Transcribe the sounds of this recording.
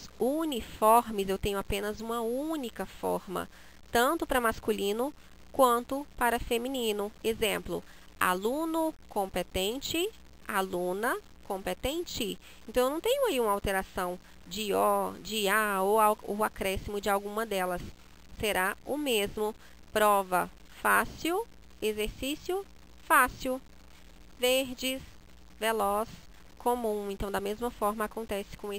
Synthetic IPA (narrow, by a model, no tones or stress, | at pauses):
sunifɔɾmɪzewt̪ẽɲʊapẽnɐzũmɐũnikɐfɔ̰ɾmɐ̰ | t̪ɐ̃nt̪ʊpɾɐmaskulĩnʊ | kwɐ̃nt̪ʊpaɾɐfemĩnĩnʊezẽmplʊ̰ | a̰lũnʊkõmpet̪ẽnt͡ʃɪ | alũnɐ | kõpet̪ẽnt͡ʃɪ | ẽnɐ̃w̃ewnɐ̃w̃t̪ẽɲʊaiũmɐawt̪eɾasɐ̃w̃ | d͡ʒɪɔd͡ʒɪaoaʊakɾɛsimʊd͡ʒɪawɡũmɐd̪ɛlɐsː | eɾaʊmezmʊ | pɾɔvɐ | fasiw | ezeɾsisjʊ | fasiw | veɾd͡ʒɪs | velɔs | kʰomũẽnt̪ɐ̃w̃d̪ɐmezmɐfɔɾmɐakõnt̪ɛsɪ̥kõw̃e